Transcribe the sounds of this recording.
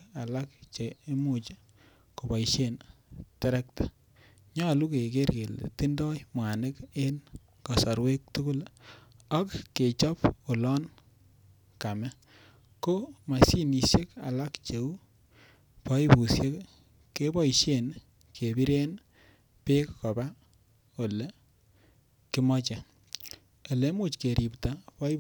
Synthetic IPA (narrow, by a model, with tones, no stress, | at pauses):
a˨la˦k̚t͡ʃe˨e˦mu˦˨t͡ʃe̥˦ | ko˨bɔ˨iʃe˦n | tɛ˦ɾɛ˦k̚tḁ˨ | ɲɔ˦˨lu˦ke˨ke˦ɾɡe˨l̰ti˦ndɔ˦jmwa˨ne˦ke˦n | ka˨sɔ˨ɾwe˦k̚tu˦kʊ˦l | a˦kkːe˨t͡ʃɔ˦po˨lɔ˦n | ka˨mɛ˦ | ko˦ma˨si˦ni˨se˦ka˨la˦kt͡ʃe˨u˦ | pa˦i˦bu˨sje˦k | ke˦bɔ˦iʃe˨n | kʰe˨bi˦ɾe˦n | pe˦kːɔ˨ba˦ | o˨le˨ | kɪ˦mɔ˦t͡ʃe˨ | e˨le˨˦mu˦˨t͡ʃke˨ɾʔi˨pta˨pɔ˦